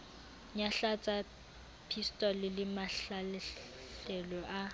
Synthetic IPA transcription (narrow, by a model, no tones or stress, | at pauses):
ɲaɬat͡sʼa | pʰistʼɔlɪlɪmaɬal | ɬɛlɔʔa